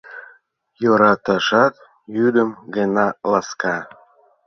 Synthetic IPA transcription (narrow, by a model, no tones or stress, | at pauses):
joɾɑt̪ɑʃɑk̪ | jyd̪ə̆mɡənɑlɑskɑ